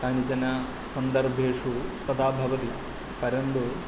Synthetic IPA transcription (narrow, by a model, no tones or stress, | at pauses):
kaːnid͡ʒɐna | sɐnd̪ɐɾbʱeːʂut̪ɐd̪aːbʱɐʋɐt̪i | pɐɾɐnt̪u